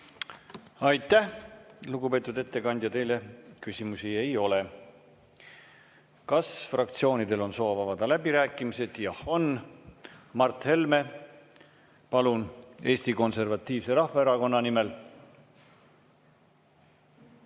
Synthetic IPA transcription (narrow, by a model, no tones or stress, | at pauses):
ɑjt̪ˑːæhluɡ̥upe̞ːt̪ːˑud̪e̞t̪ːe̞kɑnd̪jɑt̪e̞jle̞kysʲimusie̞jo̞le | kɑsfrɑk̚t̪sio̞ːnid̪e̞lo̞nso̞ːvɑvɑd̪̥ɑlæbiɾæːkːˑimise̞d̪̥jɑho̞n | mɑrt̪he̞lme̞ | pɑlune̞ːst̪iko̞nse̞rvɑt̪ːˑiːvse̞ɾɑhvɑeɾɑko̞nːɑnime̞l